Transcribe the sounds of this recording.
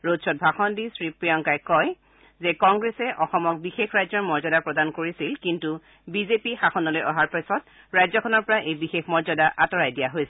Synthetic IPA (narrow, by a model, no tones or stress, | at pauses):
ɹodsʰɔt̚bʱaxɔndisɹipɹijɔŋkajkɔj | zɛkɔŋɡɹesɛʔɔxɔmɔk̚bixexɹajzɔɹmɔɹzɔdapɹɔdankoɹisilkintu | bizepixaxɔnɔlojʔɔɦaɹpasɔt̚ | ɹajzɔkʰɔnɔɹpɔɹaʔejbixexmɔɹzɔdaʔatɔɹajdijaɦojsɛ